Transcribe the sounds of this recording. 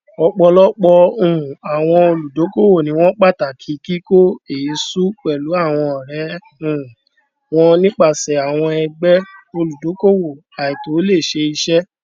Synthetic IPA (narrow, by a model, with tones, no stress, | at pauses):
ɔ˧k͡pɔ˧lɔ˦k͡pɔ˧ũ˨a˨w̃ɔ̃˧o˧lu˨do˨˦ko˦wo˦˨nĩ˨˦w̃ɔ̃˦k͡pa˦˨ta˨kʰi˨˦ki˦ko˦e˨˦su˦k͡pɛ˨lu˨˦a˦˨w̃ɔ̃˧ɔ˨ɾɛ˨˦ | ũ˨ | w̃ɔ̃˦nĩ˦k͡pa˦˨sɛ˨a˨w̃ɔ̃˧ɛ˧ɡ͡bɛ˦o˧lu˨do˨˦ko˦wo˨ | a˨i˨to˨˦le˦˨ʃe˧i˧ʃɛ˦